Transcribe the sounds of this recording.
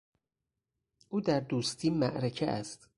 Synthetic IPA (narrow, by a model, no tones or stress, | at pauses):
ʔuːd̪æɾd̪uːst̪ʰiːmæʔɾecʰeʔæst̪